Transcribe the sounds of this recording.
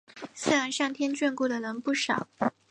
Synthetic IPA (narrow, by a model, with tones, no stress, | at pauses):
sɹ̩˥˩ɻa˧˥nʂɑ˥˩ŋt̪ʰjɛ˥nt͡ɕɥɛ˥˧nku˥˩d̪ə˩lə˧˥ŋpu˥˩ʂɑ˨˩˦ʊ